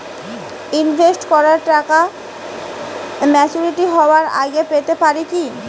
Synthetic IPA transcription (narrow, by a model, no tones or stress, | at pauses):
invʱesʈkɔɾaɾʈaka | mɛt͡ɕuɾiʈiɦɔoaɾa̰ɡepet̪epaɾiki